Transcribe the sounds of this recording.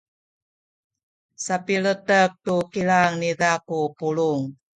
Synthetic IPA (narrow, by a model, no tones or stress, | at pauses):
sapiɭətək̚tukiɭaŋnidakupuɭuŋ